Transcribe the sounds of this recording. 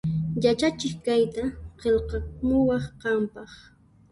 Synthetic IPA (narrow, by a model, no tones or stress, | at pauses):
jat͡ʃat͡ʃɪχkajt̪aɢelqɑmʊwɑχqɑmpɑχ